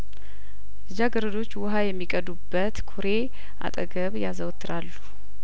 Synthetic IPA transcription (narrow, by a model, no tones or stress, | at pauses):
ɨd͡ʒaɡəɾəd̪o̞t͡ʃːwʊɦajɛmːikʼəd̪ubːət̪kʰoɾe̞ | ʔa̰t̪ʼə̰ɡəβjazəwt̪ʰːɨɾalːu